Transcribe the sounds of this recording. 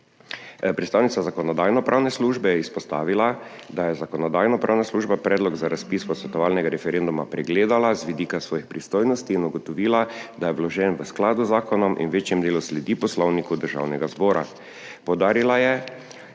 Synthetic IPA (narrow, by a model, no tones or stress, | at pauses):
pɾɛt̪st̪aːwnit̪azakɔnɔd̪aːjnɔpɾʔaːwnɛsluʒbɛjɛispɔst̪aːʋilad̪ajɛzakɔnɔd̪aːjnɔpɾa̰ːwnasluʒbapɾɛːd̪lɔɡzaɾaspiːspɔsʋɛt̪ɔʋaːlnɛɡaɾɛfɛɾend̪umapɾɛɡleːd̪alazʋid̪iːkasʋɔːjixpɾist̪oːjnɔst̪iːnuɡɔt̪ɔʋiːlad̪ajɛʋlɔʒɛnʋəsklaːd̪uzaːkɔnɔmʔḭnʋeːt͡ʃjɛmd̪eːluslɛd̪iːpɔslɔwnikud̪əɾʒa̰wnɛɡazbɔːɾa̰ | pɔwd̪aːɾilajɛ